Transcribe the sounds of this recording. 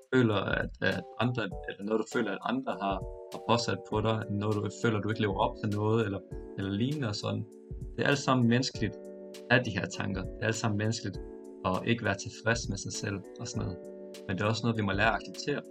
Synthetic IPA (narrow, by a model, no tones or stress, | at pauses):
fø̰ːlɐæd̥d̥ɑ̈nd̥ʁɐelɐnɔ̽ːð̞ˠd̥ufø̰ːlɐæd̥ɑ̈nd̥ʁɐɦɑ̈hpʰɒ̽sæd̥̚pʰɒ̽ɾɑ̈ɪnɔːdufø̰ːlɐd̥ue̝ɡ̥le̝ːʊɐɒ̽b̥̚t͡sʰe̝lnɔ̽ːð̞̩ˠelɐelɐliːnəɒsɒ̽n̰n̩ | d̥e̝æɐʔælsɑ̈m̰n̩mensɡ̥əlid̥ | æd̥iɦæɐt͡sʰɑ̈ŋɡ̥ɐd̥e̝æælsɑ̈mn̩menəsɡ̥əlid̥ | ɒ̽ʔe̝ɡ̥əʋæːɐt͡sʰe̝fʁɛsmesɑ̈ɪsel̰ | ɒ̽sɒnɔːð̩ˠ | mend̥e̝ɒ̽snɔːð̩ˠʋimɒ̽læːɐɑ̈ɡ̥seb̥̚t͡sʰe̝̰ːɐ